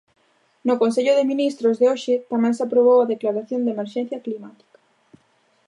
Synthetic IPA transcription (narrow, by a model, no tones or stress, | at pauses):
nʊkons̬eʎʊðɪminist̪ɾʊzðeoʃɪt̪amɛ̃ŋseapɾoβ̞owaðeklaɾaθjond̪emeɾʃɛ̃n̟θjaklimat̪i̥kḁ